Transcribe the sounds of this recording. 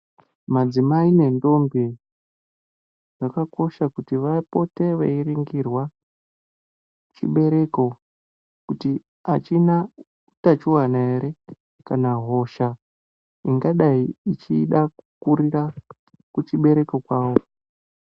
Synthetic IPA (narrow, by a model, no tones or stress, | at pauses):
mad͡zimaine̞ndo̞mbe | ʐ̥akako̞ʃakutiʋapo̞te̞ʋḛiriŋɡirwa | t͡ʃḭɓe̞ɾe̞ko̞ | kuti | at͡ʃina | utat͡ʃuwanaeɾe̞ | kanaɦo̞ʃa | iŋɡaɗaiit͡ʃiɗakukuɾira | kut͡ʃiɓe̞ɾe̞kokwaːwo